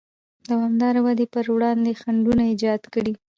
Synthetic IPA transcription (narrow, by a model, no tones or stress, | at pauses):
d̪awamd̪ɑɾawad̪epəɾwɽɑnd̪exaɳɖunaɪd͡ʒɑd̪kəɽi